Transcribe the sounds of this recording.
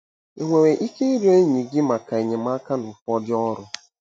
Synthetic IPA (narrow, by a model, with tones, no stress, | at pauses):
i˨ŋʷe˨we˨ʔi˦ke˦i˦ɾe˦ɲi˨ɡɪ˦ma˨ka˨e˨ɲe˨m˦a˦ka˦nʊ˨fɔ˦dɪ˦ɔ˦ɾʊ˦